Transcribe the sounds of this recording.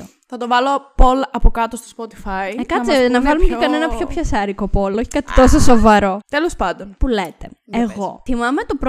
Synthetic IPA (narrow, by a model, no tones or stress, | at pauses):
θɐt̪ovɐlopolɐpokɐt̪ost̪ospot̪i̥fɐikɐt͡sinɐvɐlumecekɐne̞nɐpço̞pçɐsɐɾiko̞po̞lo̞çi̥kɐt̪i̥t̪o̞sosovɐɾo̞t̪elospɐnd̪onpulet̪e̞eɣo̞θimɐmet̪o̞pɾ